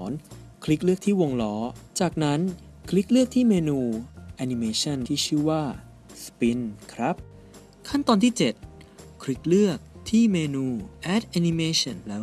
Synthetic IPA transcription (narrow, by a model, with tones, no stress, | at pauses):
ɔː˩˦n | kʰli˦˥k̚lɯ˥˩ək̚t̪ʰiː˥˩wo˧ŋlɔː˦˥t͡ɕaː˨˩k̚na˦˥n | kʰli˦˥k̚lɯ˥˩ək̚t̪ʰiː˥˩meː˧nuː˧ʔɛ˧ni˧meː˧t͡ɕʰa˥˩nʰiː˥˩t͡ɕʰɯː˥˩waː˥˩ | spi˧nkʰɾa˦˥p̚ | kʰa˥˩nt̪ɔː˧nt̪ʰiː˥˩t͡ɕe˨˩t̪̚kʰli˦˥k̚lɯ˥˩ək̚t̪ʰiː˥˩meː˧nuː˧ʔɛ˦˥t̪̚ʔɛ˧ni˧meː˧ɕʰɔ˧˩nlɛː˦˥